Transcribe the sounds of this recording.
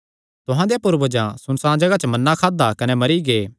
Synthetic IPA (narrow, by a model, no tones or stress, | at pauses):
t̪ʊɦãd̪ejapʊɾbɐd͡ʒãsʊnsãːd͡ʒɐɡat͡ʃəmɐnːãkʰaːd̪akɐnɛmɐɾiɡeː